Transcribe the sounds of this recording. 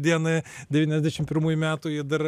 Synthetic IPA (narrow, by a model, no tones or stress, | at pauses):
d̪ʲiɛnɐɪd̪ʲɛʋʲiːnʲɛzʲd̪ʲæɛʃʲɪmpʲɪɾmuːjʊmʲæːt̪ʊjɪd̪ɐr